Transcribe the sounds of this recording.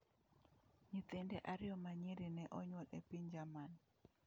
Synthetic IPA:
ɲit̪endeʔaɾɪɔmaɲiɾinɛʔɔɲwɔlepiɲd͡ʒaman

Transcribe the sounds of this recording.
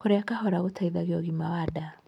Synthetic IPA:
koɾeakahɔɾaɣotʰaiðaɣjɔɣimawada

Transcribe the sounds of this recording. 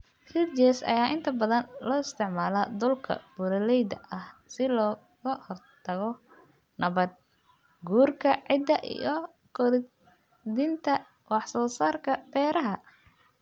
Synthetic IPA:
sɪd͡ʒɛsɐ̰jaːʔɪnt̪ʰɐbɐðɐnlɔːɪst̪ʰɪʕmaːlɐd̪ʊlkʰɐ̰b̥ʊɾɐlɛjd̪ɐʔɐhsɪlɔː | ɣɐhɔrt̪ʰɐɣɔ | nɐβɐd̪̚ | ɡuːrkʰɐʕɪd̪ːɐʔḭjɔ | kʰɔðɪ | d̪int̪ʰɐ | wɑħsɔːsaːrkʰɐb̥ɛːɾɐɦɐ

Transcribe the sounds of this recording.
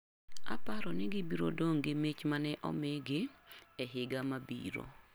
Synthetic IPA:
a̰paɾɔnɪɡɪbiɾo̰doŋɡɪmet͡ʃmanɛʔɔ̰mɛɡɪɛɦɪɡamabḭɾo̰

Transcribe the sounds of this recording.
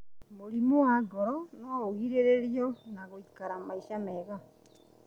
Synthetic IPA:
moɾimoaɡɔɾɔnɔoɣiɾeɾeɾjɔnaɣoikaɾamaiʃamɛɣa

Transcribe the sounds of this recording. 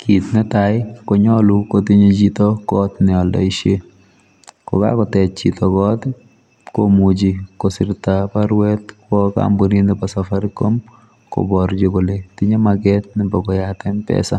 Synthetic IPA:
kʰitnɛtaɪkɔɲɔlukotiɲet͡ʃitɔkɔtnɪɔldɔiʃje | kɔ̰ka̰kɔtɛt̚t͡ʃḭtʰɔkɔt | komud͡ʒikosɪɾtapaɾwɛtkɔka̰mbuɾindɛpasafaɾɪkom | kɔ̰bɔɾd͡ʒokoletɪɲemaɡɛt̚nɪbɔkɔjatɛnpɛ̰sa

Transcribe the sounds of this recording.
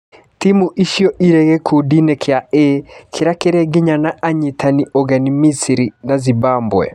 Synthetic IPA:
timuʔiʃiɔʔiɾɛɣɛkʰudinɛkʰeaekʰeɾakeɾɛɡeɲanaʔaɲitʰaniʔɔɣɛnimisiɾinazibambwɛ̰

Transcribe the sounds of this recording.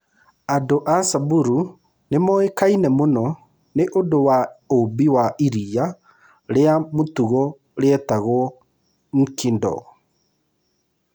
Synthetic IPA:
adoʔasabuɾu | nemɔekainɛmonɔ | neʔondowaobiwaʔiɾia | ɾeamotuɣɔ | ɾeɛtaɣwɔ | ŋ̩kindɔ̰

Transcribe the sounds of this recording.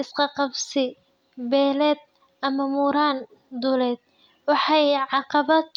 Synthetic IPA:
ʔɪsqɑqɑbsɪ | bɛːlɛːd̪̚ | ɐmɐmuːɾaːn | d̪ʊlɛːd̪̥̚ | wɑħɑjʕɑqɑβɐ

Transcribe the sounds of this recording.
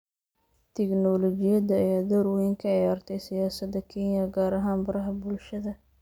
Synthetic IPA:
t̪ʰɛknɔːlɔt͡ʃɪjɐd̪ɐːjaːd̪ɐɾwjɪŋkʰɐʕɑjaːrt̪ʰɛjsɪjaːsɐd̪ɐkʰɛnjɐɡaːɾɐɦaːnbɐɾɐɦɐbʊlʃɐðɐ

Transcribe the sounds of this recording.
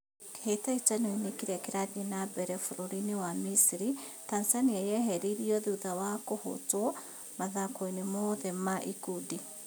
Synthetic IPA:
hetait͡ʃanoinekiɾakiɾaðinabɛɾɛfuɾoɾiniwamisiɾitansaniajɛɦɛɾiɾiɔðiuðawakoho̰twɔ | maðakoinemoðɛmaʔikudi

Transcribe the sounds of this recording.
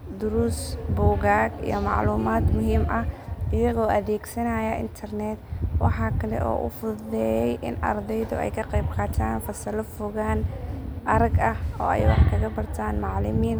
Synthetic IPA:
d̪ʊɾʊsbʊːɣaːɡḭjɞmɑ̰ʕluːmaːd̪mʊɦiːmʔɐɪjɐɣɔːʔɐðɛːɡsɐnajɐʔɪ̰nt̪ʰɐrnɛːd̪wɑ̰ħɑːkʰɐlɛ̰ʔɔ̰ːʔʊ̰fʊðɛːjɛjʔɪ̰nɐ̰rd̪ɛjðʊ̰ʔɛ̰jkʰɐqɑjb̚qɑːt̪ʰaːnfɐsɐlɐfʊɣaːnʔɐɾɐɡɐhɔːɛ̰jwɑħkʰɐɣɐbɐrt̪ʰaːnmɑʕlɪmiːn

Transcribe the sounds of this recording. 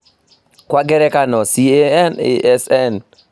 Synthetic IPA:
kwaɡɛɾɛkanɔsieɛnḛʔɛsɛn

